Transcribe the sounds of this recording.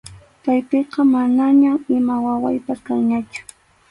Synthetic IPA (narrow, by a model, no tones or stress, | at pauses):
t̪ajpeqɑmanaɲamɪmawawa̰jpaskaŋɲat͡ʃʊ̥